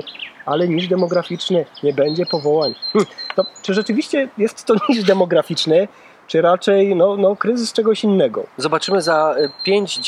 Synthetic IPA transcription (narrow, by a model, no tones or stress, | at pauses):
alɛɲiʐd̪ɛmɔɡɾafʲit͡ʂnɘɲɛbɛɲd͡ʑɛpɔvɔwaɲmm̩t̪ɔt͡ʂɘʐɛt͡ʂɘvʲiɕt͡ɕɛjɛst̪ːɔɲiʐd̪ɛmɔɡɾafʲit͡ʂnɛ | t͡ʂɘɾat͡ʂɛjnɔnɔkɾɘzɘst͡ʂɛɡɔɕinːɛɡɔ̰zɔbat͡ʂɘmɘzapʲjeɲd͡ʑ